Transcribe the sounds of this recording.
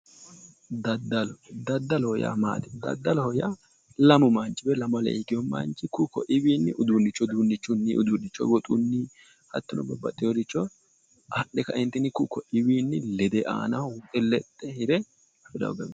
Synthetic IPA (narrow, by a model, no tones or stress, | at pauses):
d̪ɐd̪ːɐlɔd̪ɐd̪ːɐlɔhɔja̰ːma̰ːt̪ɪ̥d̪ɐ̰d̪ːɐlɔhɔjaː | lɐmʊmant͡ʃʼːɪbɛlɐmɐlɛ̰ɪɡɪjɔmɐ̰nt͡ʃʼːɪkʊkɔ̰ʔɪwiːnːɪʔʊd̪uːnːɪt͡ʃːɔd̪unːɪt͡ʃːʊnːiːʔʊd̪udɪt͡ʃːɔ̰wɔt̪ʼʊnːiː | hɐ̰t̪ːʊnɔbɔbɐt̪ʼːɪjɔd̪ɪt͡ʃːɔ | ʔɐɗɛkɐʔɪnt̪ːɪnɪkʊkːɔʔɪwiːnːɪlɛd̪ɛʔa̰ːnɐʊt̪ʼːɛlɛt̪ʼːɛhɪɾɛ | fɪd̪ɐ̰wɡɐmɛ